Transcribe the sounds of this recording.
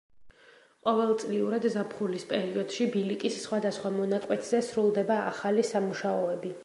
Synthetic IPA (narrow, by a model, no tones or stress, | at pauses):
qʼɔvɛlˠt̪sʼliuɾad̪zapʰχulispʼɛɾiɔd̪̥ʃibilikʼisːχwad̪asχwamɔnakʼwɛt̪ʰz̥ɛsɾulˠd̪ɛbaa̰χalisamuʃaɔɛbi